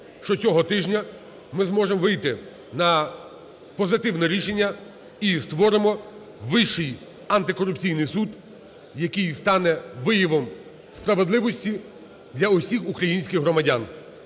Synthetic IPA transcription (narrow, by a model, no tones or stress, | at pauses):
ʃt͡ʃɔt͡sʲɔɦɔt̪ɪʒnʲɐ | mɪzmɔʒemɔʋɪjt̪ɪ | nɐ | pɔzɪt̪ɪwnɛɾʲiʃenʲːɐ | ist̪ʋɔɾɪmɔ | ʋɪʃɪj | ɐnt̪ɪkɔɾʊpt͡sʲijnɪjsud̪ | jɐkɪjst̪ɑnɛʋɪjiʋɔm | spɾɐʋed̪lˠɪʋɔsʲtʲi | d̪lʲɐʊsʲixukɾɐjinʲsʲkʲɪxɦɾɔmɐdʲan